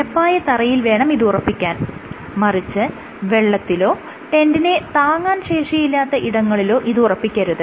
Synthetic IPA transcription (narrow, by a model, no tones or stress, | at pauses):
ɐpːaːjɐt̪ɐrɐjilʋe̞ːɳɐmiðɨurɐpːikʲːaːn | mɐrit͡ɕːɨ | ʋe̞ɭːɐt̪ːilo̞ː | ʈe̞ndinet̪aːŋːaːnɕe̞ːʂɐjilːaːt̪ːɐʔiɽɐŋːɐɭilo̞ːʔiðɨurɐpːikʲːɐɾuðɨ